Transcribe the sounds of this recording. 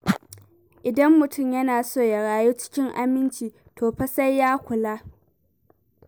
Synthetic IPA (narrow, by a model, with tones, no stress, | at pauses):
ʔɪ˨dɐ˦mːʊ˨tʰʊ˦˨mjɐ˦naː˨soː˦˨ja˨ɽaː˨juː˦t͡ʃɪ̥˦kʲɪ˦ŋʔa̰˦mɪ˦nt͡ʃiː˨ | tʰoː˨ɸɐ˦sa˦jːaː˦kʷʊ˨laː˦